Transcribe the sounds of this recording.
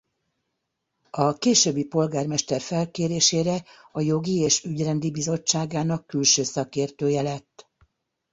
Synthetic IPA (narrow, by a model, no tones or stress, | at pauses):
ɒkeːʃøbːipo̞lɡaːrmɛʃt̪ɛrfɛlkeːɾeːʃeːɾɛ | ɒjo̞ɡieːʃyɟrɛnd̪ibizo̞t͡ʃːaːɡaːnɒkːylʃøːsɒkeːrt̪øːjɛlɛt̪ː